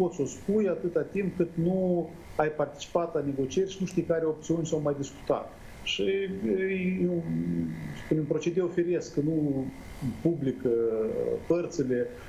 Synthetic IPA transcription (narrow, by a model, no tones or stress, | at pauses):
po̞t̪so̞spujat̪ɨt̪at̪imp̚kɨt̪nu | ajpart̪i̥t͡ʃi̥pat̪lane̞ɡo̞t͡ʃie̞rʲʃinuʃt̪ijkaɾeo̞p̚t̪siunʲsawmajd̪isku̥t̪a̰t̪ | ʃij | spunʲempɾo̞t͡ʃe̞d̪eofeɾe̞sknu | publikəpərt̪sele̞